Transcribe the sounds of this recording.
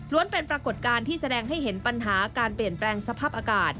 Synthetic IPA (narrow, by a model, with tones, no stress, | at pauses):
lu˧˥ənpe˧npɾa˧ko˨˩t̪̚kaː˧nt̪ʰiː˥˩sa˧dɛː˧ŋɦa˥˩jɦe˩˦npa˧nɦaː˩˦kaː˧npli˨˩ənplɛː˧ŋsa˧pʰaː˥˩p̚ʔaː˧kaː˨˩t̪̚